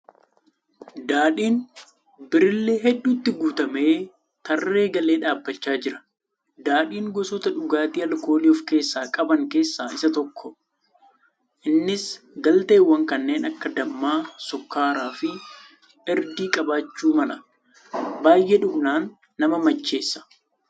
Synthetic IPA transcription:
d̪aːᶑiːn | bɪɾɪlːe̞ːɦɛɗːuːt̪ːɪɡuːt̪ɐme̞ː | t̪ɐrːe̞ːɡɐle̞ːᶑaːbːɐt͡ʃːaːd͡ʒɪɾɐ̥ | d̪aːᶑiːŋɡɔsɔt̪ɐᶑʊɡaːt̪iːɐlko̞ːliɔfke̞ːsːaːkʼɐbɐŋke̞ːsːaːʔɪsɐt̪ɔkʰːɔ | ʔɪnːɪs | ɡɐlt̪eːwːɐŋkɐnːe̞ːnɐkːɐd̪ɐmːaːsɔkːaːɾaːfɪ | ɛɾd̪iːkʼɐbaːt͡ʃːuːmɐlɐ | baːjːʔɛᶑʊbnaːnː | ɐmɐmɐt͡ʃːe̞ːsːɐ̥

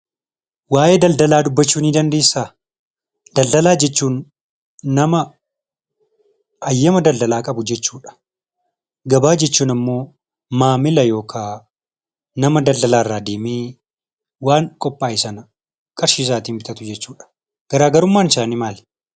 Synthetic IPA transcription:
waːʔeːd̪ɐld̪ɐlaːd̪ʊbːɐt͡ʃːuːniːd̪ɐnd̪e̞ːsːaː | d̪̥ɐld̪ɐlaːd͡ʒɛt͡ʃːuːnː | ɐmɐ | ɐjːɐmɐd̪ɐld̪ɐlaːkʼɐbʊd͡ʒɛt͡ʃːuːᶑɐ̥ | ɡɐbaːd͡ʒɛt͡ʃːuːnɐmːo̞ː | maːmɪlɐjo̞ːkʰaː | nɐmɐd̪ɐld̪ɐlaːrːaːd̪eːmeː | waːŋkʼɔpʼːaːɪsɐnɐ | kʼɐɾʃiːs̬aːt̪iːnbɪt̪ʼɐt̪ʊd͡ʒɛt͡ʃːuːᶑɐ̥ | ɡ̥ɐɾaːɡɐɾʊmːaːnɪsaːnɪmaːl

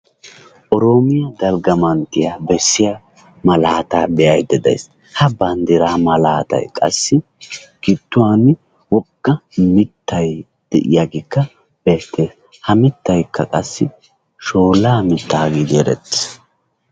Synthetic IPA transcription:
ʔɔɾoːmɪjɐd̪ɐlɡɐmɐnt̪ːɪjaːbɛsːɪja | mɐlaːt̪aːbɛjɐjd̪ɛd̪ɐ̰js | hɐbɐnd̪ɪɾaːmɐlaːt̪ɐ̰jkʼɐ̰sːɪ | kɪt̪ːʊwaːn | wɔkːɐmɪt̪ʰːɐj | d̪̥ɛʔɪ̰jaɡɪkːɐ | b̥ɛt̪ːe̞ːs | hɐmɪt̪ːɐjkʰːɐkʼɐsːɪ | ʃo̞ːlaːmɪt̪ːaːɡid̪eɾɛ̰t̪ːɪ̥

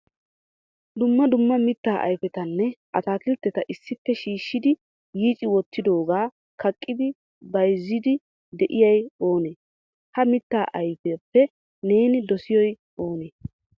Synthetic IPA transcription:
d̪ʊmːɐd̪ʊmːɐmɪt̪ːaːʔɐ̰jfɛt̪ɐnːɛʔɐt̪aːkɪlt̪ːɛt̪ɐʔɪsːɪpːɛʃiːʃːɪd̪ɪ | jiːt͡ʃʼɪwɔt̪ːɪd̪o̞ːɡaː | kɐkʼːɪd̪ɪ | bɐjzːɪd̪ɪ | d̪ɛʔɪjɐjo̞ːneː | hɐmɪt̪ːaːʔɐjpepːɛ | ne̞ːnɪd̪ɔsɪjɔj | oːneː

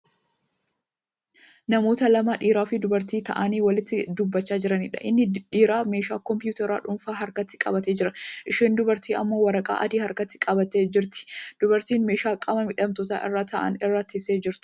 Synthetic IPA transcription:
nɐmo̞ːt̪ɐlɐmaːᶑiːɾaːfɪd̪ʊbɐɾt̪iːt̪ɐ̰ʔɐniːwɐlɪt̪ːɪd̪ʊbːɐt͡ʃːaːd͡ʒɪɾɐnɪ̰ᶑɐ̰ʔɪnːɪᶑiːɾaːmeːʃaːkɔmpɪjuːt̪ɐɾa̰ːᶑʊnfaːɦɐɾkɐt̪ːɪ̥kʼɐ̰bɐt̪e̞ːd͡ʒɪɾɐʔɪʃiːnd̪ʊbɐɾt̪iːɐ̰mːo̞ːwɐɾɐkʼa̰ːʔɐd̪iːhɐɾkɐt̪ːɪ̥kʼɐbɐt̪eːd͡ʒɪɾt̪ɪ̥d̪̥ʊbɐɾt̪iːnme̞ːʃaːkʼɐmɐmɪᶑɐmt̪ɔt̪a̰ːʔɪ̰rːaːt̪ɐʔɐ̰nɪrːaːt̪ɪseːd͡ʒɪɾt̪ʊ̥

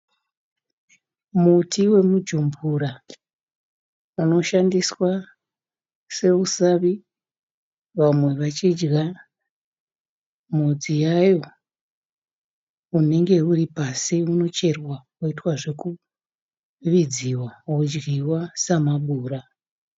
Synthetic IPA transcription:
mutiwe̞mud͡ʒumbura | uno̞ʃandiswa | se̞usaʋi | ʋamwe̞ʋat͡ʃid͡ʒɡa | mud͡zijajo̞ | une̞ŋɡe̞uripasiuno̞t͡ʃe̞rwakuitwaʐe̞ku | ʋid͡ziwawud͡ʒɡiwasamaɓuːɾa

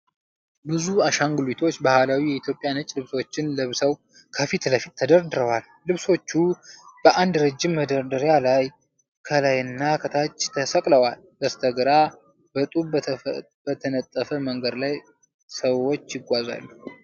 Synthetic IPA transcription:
bɨzuaʃaŋɡlit̪ʰo̞t͡ʃːbahalawijɛit̪ʰjo̞pʼjanət͡ʃʼlɨβso̞t͡ʃːɪnləβsəw | kʰəfit̪ləfit̪ʰːəd̪əɾd̪ɨɾəwalːɨβso̞t͡ʃːub̥əʔand̪ɾəd͡ʒːɪmːəd̪əɾd̪ɨɾjalaj | kʰəlajɨnːakʰət̪ʰat͡ʃʼːt̪ʰəsəkʼləwal | d̪əst̪ʰəɡɾa | bət̪ʼuβ | b̥ət̪ʰənət̪ʼːəfəməŋɡəd̪laj | səwot͡ʃːjɪɡʷaza̰lːu

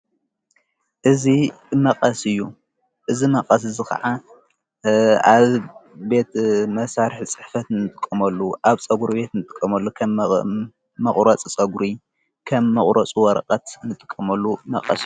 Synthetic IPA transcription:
ʔɨzi | mɐqʼɐsɨjːu | ʔɨzimɐqʼɐs̬ɨzɨkʰɐ̰ʕa | aβbe̞t̪mɐsaɾɨħt͡sʼɨħfɐt̪ɨnɨt̪ʼɨkʼːɐmɐlːuʔaβt͡sʼɐɡuɾibe̞t̪nɨt̪ʼɨ̥kʼːɐmɐlːukʰɐ | mɐχʼɾɐt͡sʼit͡sʼɐɡuɾi | kʰɐmːɐχʼɾɐt͡sʼuwɐɾɐ̰qʼɐt̪nɨt̪ʼɨ̥kʼːɐmɐlːumɐ̰qʼɐ̰s

